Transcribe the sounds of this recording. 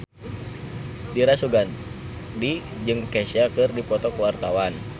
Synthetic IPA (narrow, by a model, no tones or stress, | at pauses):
diɾasuɡan | di | d͡ʒɨŋkɛsakɨrdipɔt̪ɔkəwart̪awan